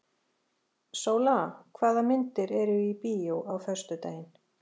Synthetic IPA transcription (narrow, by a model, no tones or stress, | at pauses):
soːwlakʰvaːðamɪnt̪ɪɾɛɾʏipijowawθɛst̪ʏt̪a̰ːjɪn̥